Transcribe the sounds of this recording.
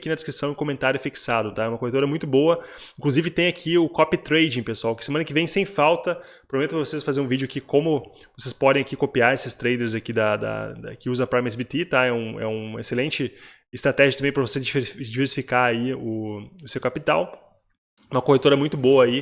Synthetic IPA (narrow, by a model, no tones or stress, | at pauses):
kinɐd̪ɪskɾisɐ̃w̃ɪ̃kõmẽnt̪aɾjʊɛfiki̥sad̪ʊt̪aɛũmɐkohet̪oɾɐmũj̃t̪ʊboɐĩŋkluzivɪt̪ẽj̃akʰiʊkɔpit̪ɾejd͡ʒĩpesuawkɪ̥semɐ̃nɐkɪvẽj̃sẽj̃fawt̪ɐ | pɾomẽt̪ʊpɾɐvosesfazeɾũvid͡ʒʊakikõmʊ | vosespɔd̪ẽj̃akikopiaɾesɪst̪ɾejleɾzakid̪ɐd̪ɐ̰d̪ɐ̰kɪuzɐpɾamɛs̬bit̪et̪aɛũɛ̰ũḛselẽnt͡ʃɪ | ɪst̪ɾat̪ɛʒɐt̪ɐ̃mẽj̃pɾɐvosezd͡ʒid͡ʒiveɾsi̥fikaɾaiʊʊsewkapit̪aw | ɛ̃mɐkohet̪oɾɐmũj̃t̪ʊboɐai